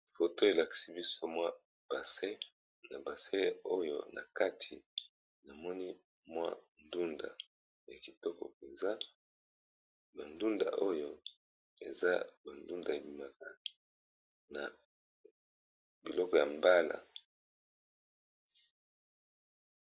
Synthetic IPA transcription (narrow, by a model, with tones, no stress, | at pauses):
fo˨to˦e˨la˨ki̥˨si˦bi˦so˦mwa˦ | b̥a˨se˦ | na˨ba˨se˦o˦jo̰˦˨na̰˨ka˦tʰi˨ | na˨mɔ˦ni˦ | mwa̰˦ndu˦nda̰˨ | ja˨ki˨tɔ˦kɔ̰˨pe˨nza˦ | ba˨ndu˦nda̰˨ʔo˦jo˦˨ | e˨za̰˦ba˨ndu˦nda˨e˨bi˨ma˨ka˨ | na̰˨ | bi˨lɔ˦kɔ˨ja˨mba˦la̰˨